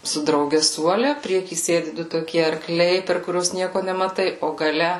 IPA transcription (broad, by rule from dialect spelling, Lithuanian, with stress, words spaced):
sʊ drɐʊˈɡʲɛ ˈsuɔlʲɛ ˈpʲrʲiɛkʲiː ˈsʲeːdʲɪ ˈdʊ toːˈkʲiɛ ɐrˈklʲɛɪ pʲɛr kʊˈrʲuɔs ˈnʲiɛkoː nʲɛmɐˈtɐɪ oː ɡɐˈlʲɛ